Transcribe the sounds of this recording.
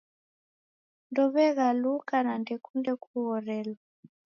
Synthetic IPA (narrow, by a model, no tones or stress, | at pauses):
ndɔβɛɣalukanandɛkundɛkʰuɣɔɾɛlɔ